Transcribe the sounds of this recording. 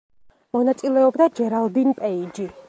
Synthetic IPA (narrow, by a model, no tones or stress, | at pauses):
mɔnat̪sʼilɛɔbd̪ad͡ʒɛɾalˠd̪inpʼɛid͡ʒi